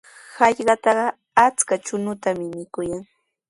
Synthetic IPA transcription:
hɑʎɢɑt̪ɑɢɑ | at͡skat͡ʃʊnʊt̪amɪmɪkʊjaŋ

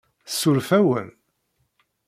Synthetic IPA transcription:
sːuɾfæwə̰n

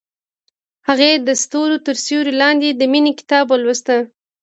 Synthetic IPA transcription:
haɣed̪əst̪oɾot̪əɾsjoɾilɑnd̪ed̪əminekɪ̥t̪ɑbwəlwəst̪ə

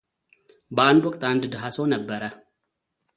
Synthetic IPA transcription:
bəand̪wɔkʼt̪and̪ɨd̪ɦasownəbːəɾə

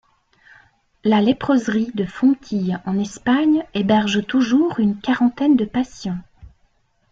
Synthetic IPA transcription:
lalepχøzʁid̪əfɔ̃t̪ʰijɑ̃nɛspaɲebɛʁʒt̪uʒuʁynkaʁɑ̃t̪ɛnd̪əpasjɑ̃

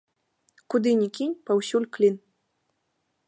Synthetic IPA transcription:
kud̪ɨnʲikʲinʲpawsʲulʲklʲin

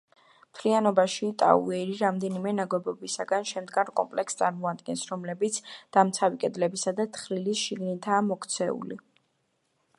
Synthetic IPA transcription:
mt̪ʰlianɔbaʃit̪ʼa̰ṵɛɾiɾamd̪ɛnimɛnaɡwɛbɔbisaɡanʃɛmd̪ɡaɾkʼɔ̰mpʼlɛkst̪sʼaɾmɔad̪ɡɛnsɾɔmlɛbit̪sʰd̪̥amt̪sʰavikʼɛd̪lɛbisad̪at̪ʰχɾilisʃiɡnit̪ʰaːmɔkʰt̪sʰɛṵlḭ

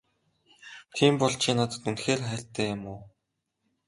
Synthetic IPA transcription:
t̪ʰiːmpɔɮt͡ɕʰiːnat̪ə̥̆t̪unxeːrχæːɬʲt̪ʰæːjʊmʊː

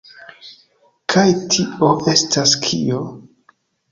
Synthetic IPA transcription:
kʰajtʰio̞ʔe̞staskʰḭo̞

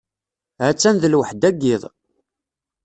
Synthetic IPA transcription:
ʕæt͡sːænðəlwəħd̪æɡːɪðˤ

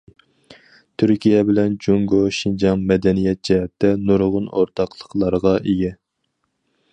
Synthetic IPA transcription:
t̪ʰyɾkʲijɛbɪlɛnd͡ʒuŋɡoʃind͡ʒɑŋmɛd̪ɛnijɛt̪̚d͡ʒɛɦɛt̪ʰːɛnuɾʁʊnoɾt̪ʰɑqlˠəqlˠɑɾʁɑʔeɡʲɛ

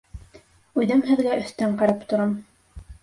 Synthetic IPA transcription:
ʉðɘmɦɘ̆ðɡæɵ̆θt̪æɴqɑɾɑpt̪ŏɾɑm

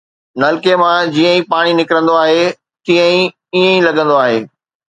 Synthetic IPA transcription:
nɐlkemãd͡ʑiːə̃ĩpaːɽ̃inɪkɾə̃nd̪oaːɦe | t̪iə̃ĩ | iə̃ĩlɐɡə̃nd̪oaːɦeː

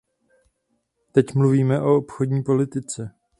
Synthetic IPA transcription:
t̪ɛcmluviːmɛʔo̞opxo̞dɲiːpo̞lɪt̪ɪt͡sɛ

